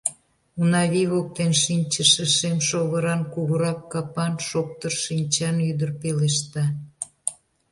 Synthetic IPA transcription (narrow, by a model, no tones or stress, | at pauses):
unɑβiβok̚t̪enʃinʲt͡ɕəʃəʃemʃoɣəɾɑnkuɣəɾɑkːɑpɑnʃok̚t̪ərʃinʲt͡ɕɑnyd̪ərpeleʃt̪ɑ